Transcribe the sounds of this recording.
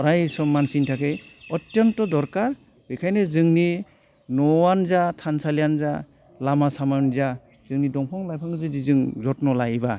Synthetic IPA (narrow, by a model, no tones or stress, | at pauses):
ɾajsɔmːansintʰakejɔtjɔntɔdɔɾkaɾ | bɯjkʰajnezɯŋni | nɔwanzatʰansaljanza̰ | lamasamanza | z̥ɯŋnidɔŋpʰɔŋlajpʰaŋɯzɯdizɯŋzɔtnɔlajba